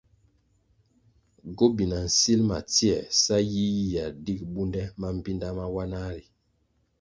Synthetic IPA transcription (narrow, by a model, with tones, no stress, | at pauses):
ɡo˦bi˨na˨n̩˨si˦lma̰˨ti˦ɛ˨sa˦ji˦ji˨ja˨di˦k̚bu˦ndɛ˦ma˦m̩˨bi˦nda˦ma˦wa˦na˦ɾi˨